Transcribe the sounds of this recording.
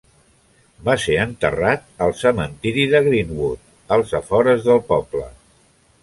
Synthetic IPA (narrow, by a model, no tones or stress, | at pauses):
baseənt̪ə̰rat̪̚əlˠsəmənt̪iɾiðəɣɾimbut̪̚ | əlˠzəfɔɾəzðəlˠpɔblə̰